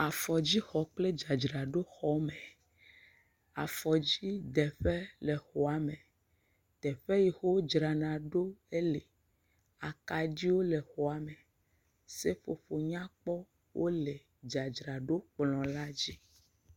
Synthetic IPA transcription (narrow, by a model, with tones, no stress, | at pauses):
a˨fɔ˨d͡ʑi˦xɔ˨k͡ple˦d͡ʒa˨d͡ʒɾa˨ɖo˦xɔ˦mɛ˨ | a˨fɔ˨d͡ʑi˦d̪ɛ˨ɸe˦lɛ˨xo˨a˨mẽ˨ | t̪ɛ˨ɸɛ˦ji˨xo˦d͡ʒɾa˨nã˨ɖo˦e˦le˨ | a˨ka˨d͡ʒi˦wo˦lɛ˨xo˨a˨mɛ˨ | se˦fo˨fo˨ɲã˦k͡pɔ˦ | wʔo˦le˨ | d͡ʒa˨d͡ʒɾa˨ɖo˦k͡plɔ̃˨la˦d͡ʑi˦